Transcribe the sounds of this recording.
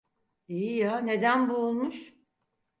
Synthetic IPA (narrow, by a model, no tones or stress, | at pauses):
iːjane̞d̪ænbuːlˠmuʃ